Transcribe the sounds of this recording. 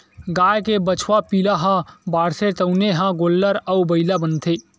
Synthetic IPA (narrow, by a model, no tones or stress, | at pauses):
ɡaːjkebət͡ʃʰwapilaɦãbaːɽset̪əʊneɦãɡoːlːəɾəwbəɪlabənt̪ʰe